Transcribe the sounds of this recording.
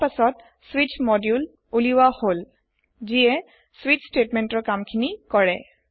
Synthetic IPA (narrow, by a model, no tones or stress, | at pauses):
pasɔt | swit͡ʃmɔdjul | uliwahol | ziɛ | swit͡ʃsʈetmɛntɔɹkamkʰinikɔɹɛ̰